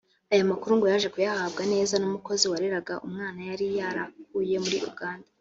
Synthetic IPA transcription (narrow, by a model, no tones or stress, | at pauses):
ajomakuɾuŋɡujaʒe̞kujahaːbɡane̞ːzanumuko̞ziwaɾeɾaɡaʔumŋaːnajaɾijaːɾakuːje̞muɾiʔṵɡaːnda